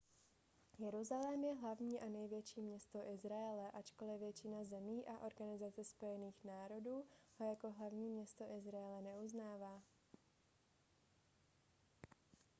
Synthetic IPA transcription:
jɛɾuzalɛmjɛɦlavɲiːʔanɛjvjɛt͡ʃiːmɲɛst̪oʔɪzɾaɛlɛʔat͡ʃko̞lɪvjɛt͡ʃɪnazɛmiːʔaʔo̞ɾɡanɪzat͡sɛspo̞jɛniːxnaːɾo̞duːhojako̞ɦlavɲiːmɲɛst̪o̞ʔɪzɾaɛlɛnɛuznaːvaː

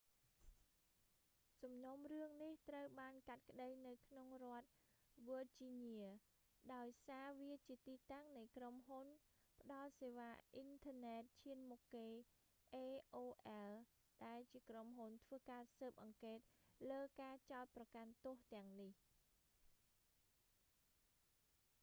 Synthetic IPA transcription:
sɑmnomrɨəŋniht̪rəwɓaːnkat̪̚kə̆ɗəjnɨwkʰnoŋrŏət̪̚ | ʋot͡ɕiɲiə | ɗaɔjsaːʋiət͡ɕiət̪iːt̪aŋnɨjkromɦun | pə̆ɗɑlseːʋaːʔint̪ʰənɛːt̪̚t͡ɕʰiənmukːeː | ʔeːʔoːʔɛl | ɗaɛlt͡ɕiəkromɦunt̪ʰʋəːkaːsəːp̚ʔɑŋkeːt̪̚ləːkaːt͡ɕaɔt̪̚prɑkant̪ʊ̆əht̪ɛ̆əŋnih

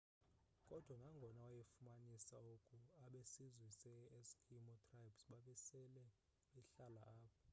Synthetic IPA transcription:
kʼɔd̥ʱwanaŋɡʱɔnawajefumanisaokʼuaɓesizwisɛskʰimɔtʰʼrajbsɓaɓɛsɛlɛ | ɛɬalaaːɓɔ

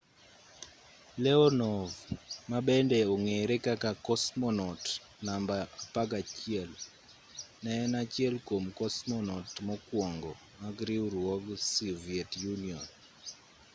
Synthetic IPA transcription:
lɛɔnɔvmaɓɛndɛɔŋeɾekakakɔsmɔnɔt | nambaapaɡat͡ʃɪɛl | nɛnat͡ʃɪɛlkomkɔsmɔnɔtmɔkwɔŋɡɔ | maɡɾiuɾɔɡsiviɛtjuniɔn

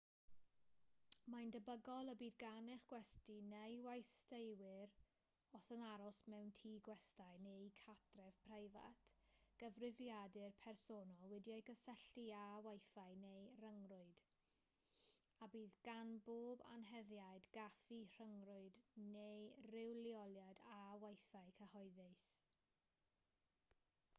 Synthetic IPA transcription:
majndəbəɡɔlˠəbiːðɡanɪχɡ̥wɛstinejwajstejwɪɾ | ɔsənaɾɔsmɛwntʰiːɡwɛstajnejkʰatʰrɛvpʰrajva̰tʰɡ̥əvrɪvjadɪrpʰɛrsonɔlˠwɛdiajɡəsɛɬiawajfaɨnejrəŋrʊɨd̥ | abiːðɡ̥anboːba̰nɦɛðjajdɡafir̥əŋrʊɨdnejrɪwlˠiɔlˠjadawajfaɨkʰəhɔɨðɪs

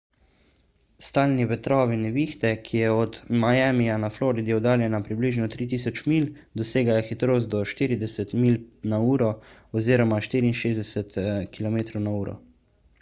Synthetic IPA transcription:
st̪aːlniʋɛt̪ɾɔːʋinɛʋiːxt̪ɛkʰijɛɔd̪majaːmijanafloːɾid̪iɔd̪aːljɛnapɾibliːʒnɔt̪ɾiːt̪̬iːs̬ɔt͡ʃmiːl | d̪ɔseːɡajaxit̪ɾoːst̪̚d̪ɔʃt̪iːɾid̪ɛsɛt̪miːlnauːɾɔɔziːɾɔmaʃt̪iːɾiːnʃeːzd̪ɛsɛt̪kilɔmeːt̪ɾɔwnauːɾɔ̰

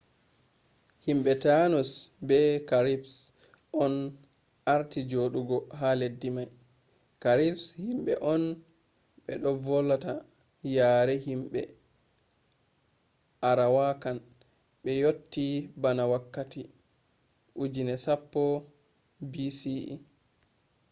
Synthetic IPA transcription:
himɓɛtanɔsbɛkaɾips | ʔɔn | ʔaɾtid͡ʒoɗuɡɔɦaledːimaj | kaɾipshimɓɛ̰ʔɔn | ɓɛ̰ɗɔvɔlːata | jaːɾɛhimɓɛ̰ | ʔaɾawakan | ɓɛjotːibanawakːati | ʔud͡ʒinɛsapːɔ | bisḭ

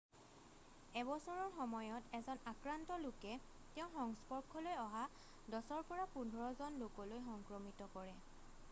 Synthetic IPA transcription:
ɛbɔsɔɹɔɹxɔmɔjɔtɛzɔnakɹantɔlʊkɛ | tɛʊ̃xɔŋspɔɹkʰɔlojɔɦa | dɔsɔɹpɔɹapundʱɔɹɔzɔnlokɔlojxɔŋkɹɔmitɔkɔɹɛ

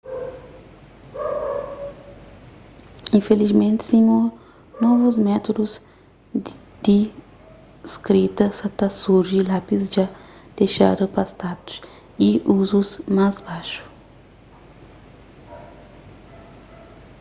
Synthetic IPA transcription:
ĩfelizmẽnt̪ɪ̥sĩɲo | nɔvuzmɛt̪od̪uz | d̪̥i | skɾit̪ɐsãt̪asuɾʒilapisd͡ʒad̪̥eʃa̰ɾɐpast̪at̪u̥s | iuzuzmazbaʃu̥

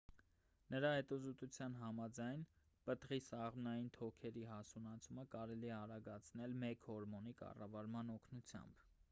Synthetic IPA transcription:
nəɾɑhɛt̪uzɔt̪ut͡sʰjɑnɦɑmɑd͡zɑjn | pət̪ʁisɑʁmnɑjint̪ʰɔkʰɛɾiɦɑsunɑt͡sʰuməkɑɾɛliɛɑɾɑɡɑt͡sʰnɛlmɛkhɔɾmɔnikɑ̰rɑvɑɾmɑnɔkʰnut͡sʰjɑ̰mb̥

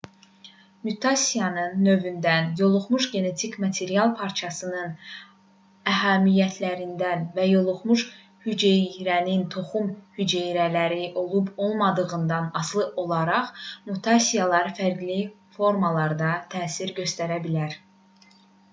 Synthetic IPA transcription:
myt̪ʰɑsʲijɑnɯnːø̞vynd̪ænjo̞lˠuχmuʃɟe̞ne̞t̪ʰicmɑt̪ʰe̞ɾijɑlˠpʰɑɾt͡ʃʰɑsɯnɯn | æɦæmijæt̪ʰlæɾind̪ænvæjo̞lˠuχmuʃ | hyd͡ʒejɾænint̪ʰo̞χumhyd͡ʒejɾælæɾiʔo̞lˠubo̞lˠmɑd̪ɯɣɯnd̪ɑnɑslˠɯʔo̞lˠɑɾɑχmut̪ʰɑsijɑlˠɑɾfæɾɡli | fo̞ɾmɑlˠɑɾd̪ɑt̪ʰæːsiɾɟø̞st̪æɾæbilæɾ

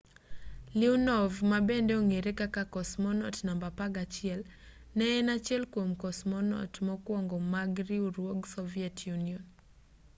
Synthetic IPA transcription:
liunɔvmabɛndɛɔŋeɾekakakɔsmɔnɔtnambapaɡat͡ʃjɪɛl | nɛɛnat͡ʃɛlkwomkɔsmɔnɔ̰tmɔkwɔŋɡɔmaɡɾiuɾwoɡsɔviɛtʰjuniɔn

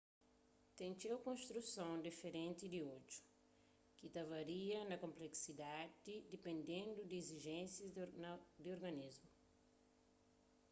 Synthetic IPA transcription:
t̪ẽnt͡ʃewkõnst̪ɾusɐ̃w̃d̪ifeɾẽnt̪id̪iod͡ʒu̥ | kit̪avaɾiɐnɐkõmpleksid̪ad̪id̪ipẽnd̪ẽnd̪ud̪ieziʒẽnsjɐ | d̪ioɾɡɐnizmu

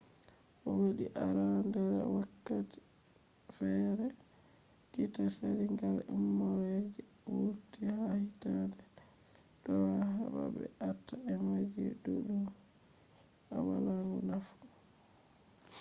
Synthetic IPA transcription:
ʔɔwaɗiʔaɾandɛɾɛ̰wakːati̥ | fɛɾɛ | ɡitasaɾiŋɡalɛmːɔɾɛɡɛ | wuɾtihahitadɛ | d̥ɔwaɦaba̰bɛ̰atːaɛmad͡ʒɛ̰duɗu | awalaŋɡunafu̥

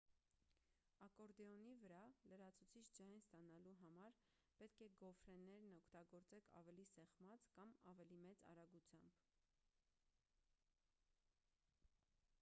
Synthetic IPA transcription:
ɑkɔɾd̪ɛɔnivəɾɑləɾɑt͡sʰut͡sʰit͡ʃʰd͡ʒɑjnst̪ɑnɑluɦɑmɑɾ | pɛt̪̚kʰɛɡɔfɾɛnːɛɾnɔkʰt̪ɑɡɔɾt͡sɛkʰɑ̰vɛlisɛχmɑt͡skɑmɑvɛlimɛt͡sɑ̰ɾɑɡut͡sʰjɑmb̥

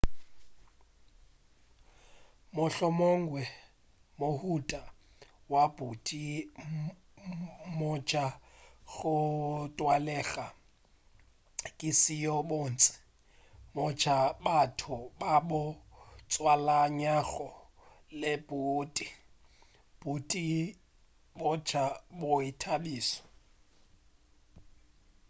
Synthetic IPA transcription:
mʊɬɔmoŋ̩ɡwɛ | mohutʼa | wabutʼi | mʊd͡ʒaɣʊtʼwalɛɣa | kʼɪsijɔbon̩t͡sʼɪ̥ | mʊt͡ʃabatʰʊbabʊt͡sʼwalaɲaɣɔ | lɪb̥uːtʼi | b̥utʼi | bʊt͡ʃabʊitʰabiːsɔ̥

